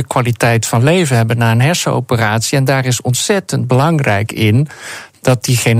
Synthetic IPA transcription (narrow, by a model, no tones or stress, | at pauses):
əkʋaːlitɛjtfɑnlejvənɦɛbənːaːənɦɛɹsəo̰wpəraːtsiɛndaːrɪsɔntsɛtənd̚bəlɑŋrɛ̰jkɪndɑt̚diχejn